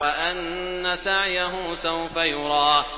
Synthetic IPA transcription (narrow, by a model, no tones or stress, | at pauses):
aʔanː | asaʕjaɦʊːsawfajʊɾˤɑː